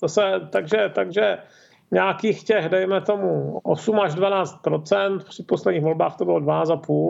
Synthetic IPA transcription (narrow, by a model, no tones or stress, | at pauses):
zasɛt̪aɡʒɛt̪aɡʒɛ | ɲaːkiːxcɛɣdɛjmɛt̪o̞muʔo̰sumaʒdvanaːt͡st̪̚pɾot͡sɛnt̪pr̝̥ɪt̪̚poslɛdɲiːxɣvo̞lbaːxt̪obɪlo̞dvanaːt͡st̪apuːl